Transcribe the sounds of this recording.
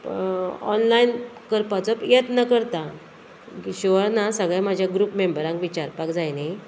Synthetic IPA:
ɔ̰nlainkəɾpat͡səpjet̪nəkəɾt̪a | ɕiʋəɾnasəɡɭãmad͡ʑʱjaɡɾupmembəɾãŋkʋit͡ɕaɾpakd͡zajne

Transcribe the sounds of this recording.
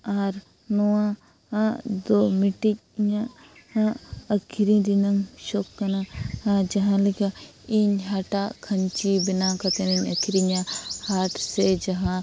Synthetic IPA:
aːɾ | nowã | ad̪omiʈiɲa | aɐkʰiɾĩd̪inɐŋʃoːkːɐnahãd͡ʒɐɦãlika | iɲɦaʈakʰɐɲt͡ʃibinãkɐt̪ɐninɐkʰiɾiɲahaːʈʰsed͡ʒɐɦã

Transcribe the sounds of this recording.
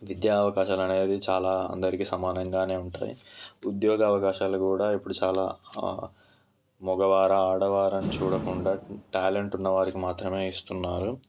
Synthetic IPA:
ʋid̪jaːɐʋɐkaːʃaːlɐne̞ːd̪it͡ʃaːlaːɐ̰nd̪ɐɾikisɐmaːnɐŋɡaːne̞ːuɳʈa̰ːjḭud̪jɔːɡɐːʋɐkaːʃaːlukuːɽaːipːuɽut͡ʃaːla̰ː | mɔɡɐʋaːɾɐaːɽɐʋaːɾɐnit͡ʃuːɽɐkuɳɖaːʈaːleɳʈunːɐʋaːɾikimaːt̪ɾɐme̞ːist̪unːaːɾu

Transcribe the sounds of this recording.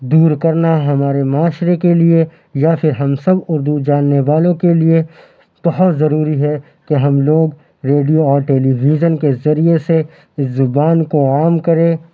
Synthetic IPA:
d̪uːɾkɐɾnaɦɐmaːɾemaːʃɾekelie | japʰɪɾɦɐmsɐbʊɾd̪ud͡ʒaːnːeʋaːlõkelie | b̥ɐɦɔt̪zɐɾuːɾiɦɛ | keɦɐmloːɡ | ɾeːɖijoɔːɾʈɛːliːʋiːd͡ʒənkezɐɾiese | zʊbaːnkoaːmkɐɾẽː

